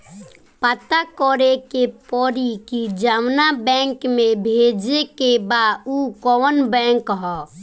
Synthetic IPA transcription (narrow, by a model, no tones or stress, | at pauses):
pət̪akɔɾekepɔɾikid͡ʒawnabɛ̃ːŋkmẽbʱed͡ʒekebaukɔwənbɛ̃ːŋkɦɔ